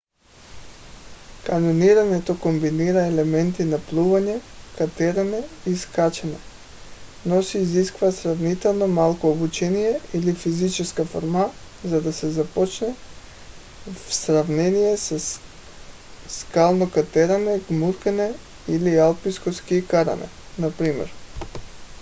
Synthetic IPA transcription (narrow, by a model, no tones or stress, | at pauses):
kanoniɾaɲɛt̪okombiniɾaɛlɛmɛnt̪inaplˠuvaɲɛkat̪ɛɾanɛiskat͡ʃɛnɛ | nɔsiːziskvasɾavnit̪ɛlˠnomalˠkoobut͡ʃɛnijɛilifizit͡ʃɛskafɔ̰ɾma | zad̪asɛzapɔt͡ʃnɛ | fsɾavnɛnijɛsa | skalˠnokat̪ɛɾanɛɡmuɾkanɛ | ilialˠpiskɔfskiːkaɾa̰nɛ̰ | napɾimɛ̰ɾ